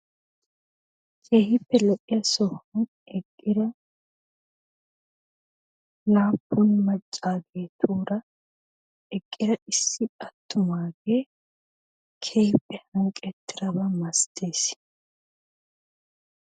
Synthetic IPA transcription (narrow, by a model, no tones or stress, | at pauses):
kʰe̞ːhɪpːɛlɔʔɪjɐsɔhɐn | ɛkʼːɪɾɐ | laːpːʊnmɐt͡ʃʼːaːɡe̞ːt̪ʰuːɾɐ | ɛkʼːɪɾɐɪsːɪɐt̪ʰːʊmaːɡeː | kʰeːhɪpːɛhɐŋkʼɛt̪ːɪɾɐbɐmɐst̪eːs